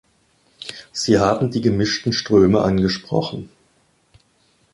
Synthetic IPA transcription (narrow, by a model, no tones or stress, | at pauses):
z̥iːɦaːbm̩diːɡəmɪʃtn̩ʃtʁ̥øːməʔanɡəʃpʁ̥ɔ̰χn̩